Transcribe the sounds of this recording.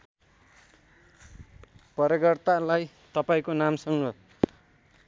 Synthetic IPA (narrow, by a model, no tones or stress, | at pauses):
pʌɾʌɡʌrt̪alaj | t̪ʌpaĩkonamsʌŋnʌ